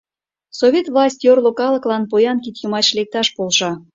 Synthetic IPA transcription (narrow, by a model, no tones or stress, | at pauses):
sovʲet̪vlˠɑsʲtʲjorlokɑlə̆klɑnpojɑnkit̪jomɑt͡ɕlek̚t̪ɑʃpolʃɑ